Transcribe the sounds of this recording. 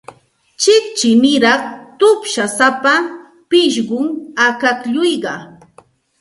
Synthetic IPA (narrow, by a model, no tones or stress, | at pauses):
t͡ʃɪkt͡ʃɪnɪɾɑχt̪ʊpʃasapa | pɪʃɢʊŋakakʎʊjɢɑ